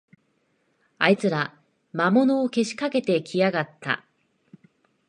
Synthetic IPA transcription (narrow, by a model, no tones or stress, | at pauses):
ait͡sɨɾa | mamo̞no̞ːke̞ɕi̥kake̞t̪e̞kʲʰijaɡat̪ːa̰